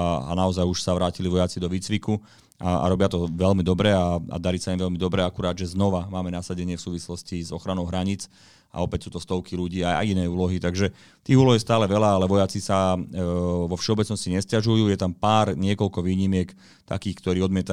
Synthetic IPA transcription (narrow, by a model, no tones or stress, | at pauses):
a̰naɔzajuʃsaʋɾaːciliʋɔjat͡sid̪ɔʋiːt͡sʋiku | a̰a̰ɾɔbɪat̪ɔʋɛlmid̪ɔbɾɛaa̰d̪aɾiːsaimʋɛlmid̪ɔbɾɛakuɾaːd̪ʒɛznɔʋamaːmɛnasaɟɛɲɪɛfsuːʋislɔscizɔxɾanɔʊɦɾaɲiːt͡s | a̰ɔpɛcsuːt̪ɔst̪ɔʊkiluɟiːaja̰jinɛːuːlɔɦit̪aɡʒɛ | t̪iːɦuːlɔɦist̪aːlɛʋɛlaalɛʋɔjat͡sisa | ʋɔfʃɛɔbɛt͡snɔsciɲɛscaʒujuːjɛt̪ampaːɾɲɪɛkɔlkɔʋiːɲimɪɛk | t̪a̰kiːxkt̪ɔɾiːɔd̪mɪɛt̪a